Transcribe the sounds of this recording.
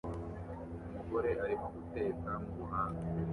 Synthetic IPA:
umuɡo̞ɾe̞ʔaɾimoɡuteːkamuβuɦaːŋa

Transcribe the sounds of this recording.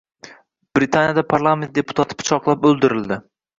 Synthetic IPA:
b̥ɾit̪ʰanjad̪apʰaɾlˠame̞nt̪̚d̪e̞pʰʊ̥t̪ʰat̪ʰɪ̥pʰʊ̥t͡ʃʰɒqlˠap̚ɵlˠd̪ɪɾɪld̪ɪ

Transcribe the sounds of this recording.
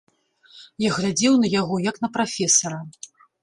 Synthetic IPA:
jaɣlʲad͡zʲɛwnɐjaɣɔjɐknɐpɾafʲɛsɐɾɐ

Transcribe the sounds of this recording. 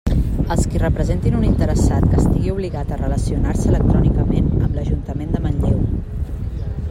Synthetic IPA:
əlˠskirəpɾəzent̪inunint̪əɾəsat̪̚kəst̪iɣiuβliɣat̪ərələsiunaɾsələk̚t̪ɾɔnikəmenəmbləʒunt̪əmend̪əmənʎew

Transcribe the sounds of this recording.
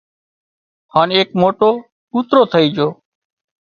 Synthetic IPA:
haːneːkmoːʈoː | ɗuːt̪ɾoːt̪ʰəiːd͡ʒoː

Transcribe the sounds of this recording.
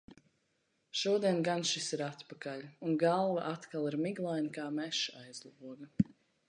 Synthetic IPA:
ʃuɔd̪iɛnɡanʃisiɾat̪pakaʎʲunɡalˠvaʔat̪kalˠiɾmiɡlˠajnikaːmɛʃajzlˠuɔɡɐ

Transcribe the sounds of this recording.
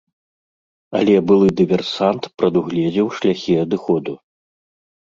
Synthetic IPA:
ɐ̰lʲɛbɨlˠɨd̪ɨvʲɛrsant̪pɾɐd̪uɣlʲɛd͡zʲiwʂlʲaxʲiɐd̪ɨxɔd̪u

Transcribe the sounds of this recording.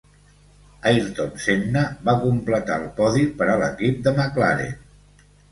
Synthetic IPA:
ajɾt̪omseɡnəbakumplət̪a̰lˠpɔðipəɾaləkip̚d̪əməklaɾḛ

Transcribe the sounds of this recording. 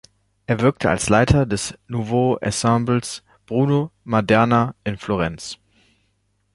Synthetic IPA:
ʔeːɐvɪɐk̚tʰəa̰lslaɪtʰɐdɛsnuvoʔa̰sɛ̃mbl̩s | b̥ʁuːnomadɛɐnaʔɪnfloʁɛnt͡s

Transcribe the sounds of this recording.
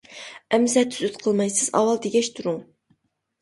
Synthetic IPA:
ɛmsɛt̪ʰyzyt̪qʰəlˠmɑjsɨz̥ɑ̰wɑlˠd̪eɡʲɛʃt̪ʰuɾuŋ

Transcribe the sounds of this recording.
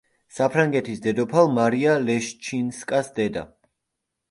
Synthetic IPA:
sapʰɾaŋɡɛt̪ʰisd̪ɛd̪ɔpʰalˠmaɾialɛʃt͡ʃʰinskʼasd̪ɛd̪a̰

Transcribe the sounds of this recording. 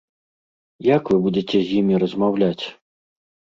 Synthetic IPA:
jakvɨbud͡zʲet͡sʲɛzʲjimʲiɾɐzmawlʲat͡sʲ

